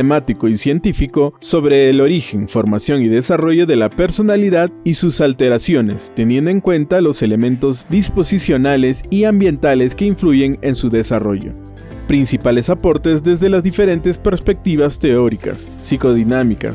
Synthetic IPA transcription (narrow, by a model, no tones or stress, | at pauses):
emat̪iko̞isje̞nt̪ifiko̞so̞βɾe̞ːlo̞ɾixe̞nfo̞ɾmasjo̞niðe̞saro̞ʝo̞ðe̞lape̞ɾso̞naliðaðisusalt̪e̞ɾasjo̞ne̞st̪e̞njend̪oeŋkwe̞nt̪alo̞se̞le̞mẽ̞nt̪o̞zðispo̞sisjo̞nale̞siambje̞nt̪ale̞ske̞iɱfluʝe̞ŋensuðe̞saro̞̰ʝo̰ | pɾinsipale̞sapo̞ɾt̪e̞zðe̞zðe̞lazðife̞ɾe̞nt̪e̞spe̞ɾspe̞k̚t̪iβast̪e̞o̞ɾika̰sːiko̞ðinamika̰s